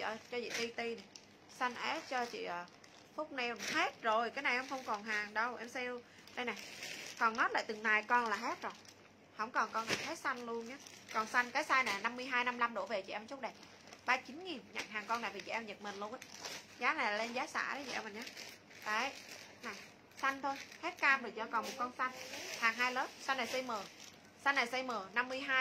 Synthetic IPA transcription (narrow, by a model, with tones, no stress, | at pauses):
t͡ɕə̰˧˨˩t͡ɕɔ˧zḭ˧˨t̪i˧t̪i˧na˨˩ | sa˧jŋ̟ʔe˦˥t̚t͡ɕɔ˧t͡ɕḭ˧˨ʔəː˨˩ | fʊ˦˥k͡p̚nɛ˧whe˦˥t̚zo˨˩jkaː˨˦jna˨˩jʔɛ˧wŋ͡mxə˧wŋ͡mkɔ˨˩nɦaː˨˩ŋɗə˧wʔɛ˧msɛ˧w | ɗa˧jna˨˩jkɔ˨˩nnɔ˨˦tla̰ː˧˨t̪ɨ˨˩ŋnaː˨˩jkɔ˧nlaː˨˩ɦe˦˥t̚zo˨˩j | hə̰˧˥wŋ͡mkɔ˨˩nkɔ˧na˨˩he˦˥t̚sa˧jŋ̟lu˧ənɲaː˨˦kɔ˨˩nsa˧jŋ̟kaː˨˦jsaː˧jna˨˩˨na˧mːɨ˧əjɦaː˧jna˧mla˧mɗṵ˧˩əve˨˩t͡ɕḭ˧˨ʔɛ˧mt͡ɕt̚ɗə˨˩ | ɓaː˧t͡ɕi˨˦nŋi˨˩nɲa̰˧˨ŋɦaː˨˩ŋkɔ˧nːa˨˩jvi˨˩t͡ɕɛ̰˧˨ʔwɲə˨˩t̚mï˨˩n̟lu˧ənʔaː˨˦zaː˨˦na˨˩la˨˩le˧nzaː˨˦sa̰ː˧˩ə˨˦jt͡ɕɛ̰˧wmə˨˩nɲaː˨˦ | ta̰ː˧˩˨ | na˨˩j | sa˧jŋt̪ʰo˧jhe˦˥t̚kaː˧mɗo˨˩t͡ɕɔ˧kɔ˨˩nmo˨˩t̚kɔ˧nsa˧ŋhaː˨˩ŋɦaː˧jləː˦˥p̚sa˧na˨˩sa˧jməː˨˩ | sa˧jnːa˨˩jsa˧jməː˨˩na˧mːɨ˧əjɦaː˧